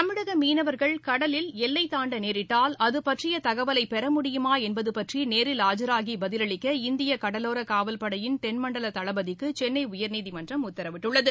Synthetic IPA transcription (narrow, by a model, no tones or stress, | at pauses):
t̪ɐmɪɽɐɣɐmiːnɐʋɐɾɣɐɭkɐɽɐlɪlɛlːɐɪt̪ːaːɳɖɐneːɾɪʈːaːlɐðɯpɐʈrɪjɐt̪ɐɣɐʋɐlɐɪpɛɾɐmʊɽɪjɯmaːɛnbɐðɯpɐʈrineːɾɪlaːd͡ʒɐɾaːɣibɐðɪlɐɭɪkːɐɪnd̪ɪjɐkɐɽɐloːɾɐkaːʋɐlpɐɽɐjɪnt̪ɛnmɐɳɖɐlɐt̪ɐɭɐbɐðɪkːɯt͡ʃɛnːɐɪʊjɐɾniːðimɐndrɐmʊt̪ːɐɾɐʋɪʈːɯɭːɐðɯ